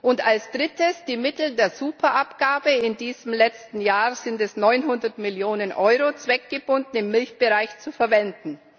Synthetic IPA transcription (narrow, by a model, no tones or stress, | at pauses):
ʔʊntalsd̥ʁɪtəsd̥iːmɪtl̩deːɐzuːpʰɐʔapɡ̥aːbəɪndiːzəmlɛt͡stn̩jaːz̥ɪntɛsnɔʏnɦʊndɐtmɪljoːnənʔɔʏʁot͡sv̥ɛk̚ɡ̥əbʊndn̩ɪmːɪlçb̥əʁaɪçt͡sufɛɐvɛndn̩